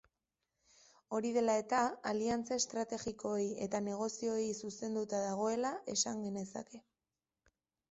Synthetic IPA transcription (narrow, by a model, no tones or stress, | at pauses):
o̞ɾið̞e̞lae̞t̪aaliant͡saest̪ɾat̪e̞ɣiko̞je̞t̪ane̞ɣ̞o̞sio̞jsuse̞nd̪ut̪aðaɣ̞o̞e̞lae̞saŋɡe̞ne̞sa̰ke̞